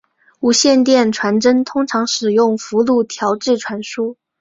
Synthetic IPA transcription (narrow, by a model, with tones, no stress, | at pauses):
u˨˩ɕjɛ˥˧nt̪jɛ˥˩nʈ͡ʂʰwa˧˥nʈ͡ʂə˥nt̪ʰʊ˥ŋʈ͡ʂʰɑ˧˥ŋʂɻ̩˨˩jʊ˥˩ŋfu˧˥lu˥˩t̪ʰjɑ˧˥ʊʈ͡ʂɻ̩˥˩ʈ͡ʂʰwa˧˥nʂu˥